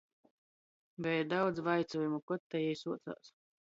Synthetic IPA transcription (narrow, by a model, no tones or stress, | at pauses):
bɛjd̪awd̪zvajt̪sɔjumukɔt̪ːɛjɛjsuɔt̪sa̰ːs